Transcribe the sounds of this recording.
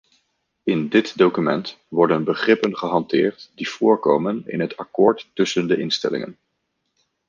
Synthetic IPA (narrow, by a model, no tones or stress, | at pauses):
ɪndɪtdowkymɛnt | ʋɔɹdənbəχrɪpənχəɦɑntɪːɹtdiv̥ʊːɹko̰wmənɪ̰nɦətɑkʊːɹtːɵsəndəʔɪnstɛ̰lɪ̰ŋə̰n